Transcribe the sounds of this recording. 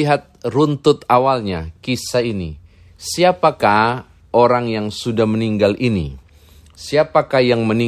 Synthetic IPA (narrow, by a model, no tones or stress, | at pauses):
iɦat̪̚runt̪ʊt̪awalɲakisaini | siapakah | ʔoɾaŋjaŋsudahməniŋɡalʔinḭ | siapakahjaŋməni